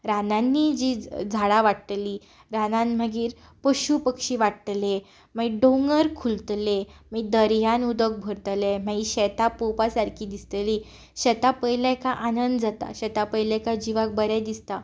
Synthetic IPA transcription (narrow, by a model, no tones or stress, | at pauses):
ɾanãnːid͡ʑid͡zʱaɽaʋaʈt̪liː | ɾanãnm̤əɡiːɾ | pəɕupəkɕiʋaʈt̪le | m̤əiɖoŋɡəɾkʰult̪lemiid̪əɾjanud̪ək̚bʱəɾt̪lemaiɕɛt̪apopasaɾkʰiːd̪ist̪liː | ɕɛt̪apəjlakaʔanənd̪d͡zat̪a̰ɕɛt̪apəjlɛkad͡ʑiʋak̚bəɾɛd̪ist̪a